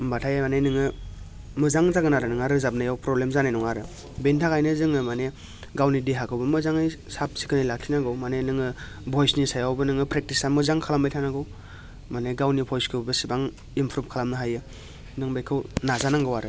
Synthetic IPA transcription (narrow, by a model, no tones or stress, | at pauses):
mbatʰajamanenɯŋɯ | mɯzaŋzaɡɯnaɾɯnɯŋaɾɯzap̚najawpɾɔblemzanajnɔŋaɾɯ | bentʰakʰajnɯzɯŋɯmane | ɡawnideɦakʰɯwbɯmɯzaŋɯjsap̚si̥kʰɯnajlakʰinaɡɯwmanenɯŋɯ | bʱɔjsnisajawbɯnɯŋɯpɾek̚tisamɯzaŋkʰalambajtʰanaɡɯw | maneɡawnipʰɔjskʰɯbbɯsibaŋ | impʰɾup̚kʰalamnɯɦajɯ | nɯŋbajkʰɯwnazanaŋɡɯwaɾɯ